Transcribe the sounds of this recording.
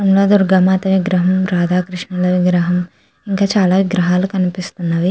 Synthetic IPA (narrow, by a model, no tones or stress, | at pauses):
ɐmloːd̪uɾɡamaːt̪ɐʋiɡɾɐɦɐmɾaːd̪aːkɾiʂɳɐlɐʋiɡɾɐɦɐm | iŋkaːt͡ʃaːlaːʋiɡɾɐɦaːlukɐnipist̪unːɐʋi